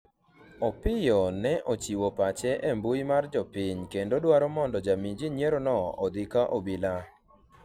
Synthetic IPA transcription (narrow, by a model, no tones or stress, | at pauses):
ɔpɪjɔnɛʔot͡ʃiwopat͡ʃɛʔɛmbujmard͡ʒɔpɪɲkendodwaɾɔmɔndɔd͡ʒamid͡ʒiɲjeɾonɔɔd̪ɪkaʔobila